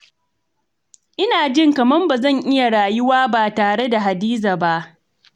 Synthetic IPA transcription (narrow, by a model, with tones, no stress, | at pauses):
ʔɪ˦naː˨d͡ʒɪ˦˨ŋkɐ˨mɐ˦mba˨zɐ˦˨ŋʔɪ˦ja˨ɽaː˨jʊ˦waː˦baː˨taː˨ɽe˦da˨ɦa˨diː˦zaː˨ba˦ʔ